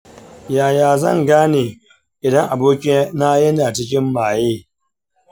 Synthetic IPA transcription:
jaː˨jaː˨zɐ̰˦˨ŋɡaː˦neː˨ | ʔɪ˨dɐ˦ŋʔa˨boː˦kʲi˦naː˦jɐ˦naː˨t͡ʃɪ˦k̬ʲɪ˦mːaː˨jeː˦

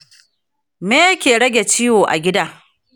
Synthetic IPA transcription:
meː˦jkʲeː˨ɽɐ˦ɡʲe˨t͡ʃɪ˦jwoː˨ʔa̰˨ɡʲɪ˦daː˦

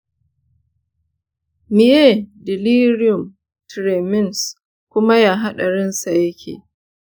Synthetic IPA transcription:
mɪ˨je˦˨dɪ˨li˦ɾɪ˦ʊ˨m | tɾeː˨mɪ˦ns | kʷʊ˦ma˦jaː˦˨ɦa˦ɗa˨ɾɪ˦nsa˨jɐ˦kʲʰḛː˨

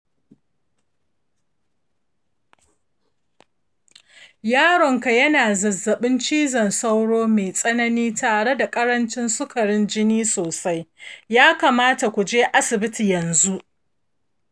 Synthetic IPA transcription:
jaː˦ɽɔ˨ŋka˨jɐ˦naː˨zɐ˨zːɐ˨ɓɪ˦nt͡ʃiː˦zɐ˨nsa˦wɽoː˦meː˨sʼɐ˦nɐ˦niː˦taː˨ɽe˦da˨kʼɐ˦ɽɐ˦nt͡ʃɪ˦nsʊ˦kʰɐ˨ɽɪ˦nd͡ʒɪ˦niː˦soː˨sa˦jjaː˦ka˨maː˦ta˨kʷu˨d͡ʒeː˦ʔa˦sɪ˨bɪ˦ti˨jɐ˨nzu˦ʔ

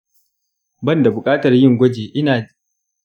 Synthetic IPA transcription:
bɐ˦nda˨bʊ˨kʼaː˦tɐ˨rjɪ˦ŋɡʷɔ˦d͡ʒeː˨ʔɪ˦naː˨

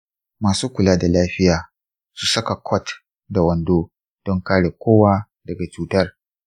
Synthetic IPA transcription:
maː˨suː˦kʷʊ˨laː˦da˨laː˦ɸɪ˦jaː˨ | su˨sɐ˦ka˨kʷʰɔ˦t | da˨wɐ˨ndoː˦ | d̥ɔ˦ŋkaː˦ɽe˨kʷoː˦waː˦ | dɐ˨ɡa˨t͡ʃuː˨tɐ˦r

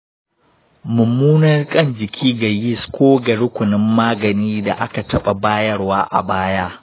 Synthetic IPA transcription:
mʊ˨mːuː˦nɐ˦rkʼɐ˦˨nd͡ʒɪ˨kʲʰiː˦ɡa˨jɪ˦˨skʷoː˦ɡɐ˨ɽʊ˦kʷʊ˨nɪ˦mːaː˦ɡɐ˨niː˦da̰˨ʔa˦ka˨tɐ˦ɓa˨baː˦jɐ˦rwaː˦ʔa̰˨baː˦jaː˦

